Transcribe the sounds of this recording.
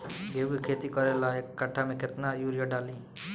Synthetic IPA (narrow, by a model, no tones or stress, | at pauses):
ɡebukʰet̪ikʌɾelaekːaʈʰːameket̪najuɾjaɖali